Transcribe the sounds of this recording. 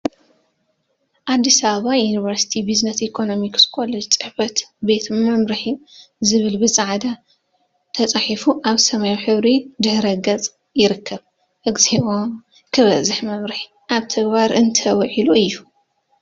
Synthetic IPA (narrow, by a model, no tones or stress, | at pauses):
ʔad̪ːisaβɐβajunivɐɾsi̥t̪ʰibiznɐsikʰo̞no̞mikskʰʷʼolɐt͡sʼɨ̥ħfɐt̪be̞t̪mɐmɾɨħizɨβɨlbɨsʼaʕd̪a | t̪ʰɐt͡sʼaħifuʔaβsɐmajuħɨβɾid̪ɨhɾɐɡɐt͡sʼ | jɪɾɨkʰːɐβ | ʔɨɡzeʔom | kʰɨβɐzɨħmɐmɾɨħi | ʔaβt̪ʰɐɡbaɾɨnt̪ʰɐwʕiluɨjːu